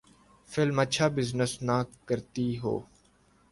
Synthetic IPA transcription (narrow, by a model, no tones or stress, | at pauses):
fɪlmətːʃʰaːbɪznəsnaːkːəɾt̪iːɦo̰ː